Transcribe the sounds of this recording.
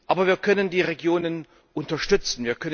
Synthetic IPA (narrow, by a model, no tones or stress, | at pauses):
ʔaːbɐviːɐkʰœnəndiːʁeɡjoːnən | ʔʊntɐʃtʏt͡sn̩viːɐkʰœn